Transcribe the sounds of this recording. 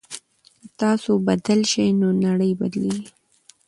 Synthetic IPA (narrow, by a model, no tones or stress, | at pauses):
kət̪ɑsobad̪əlʃəjnonaɽəjbad̪leɡi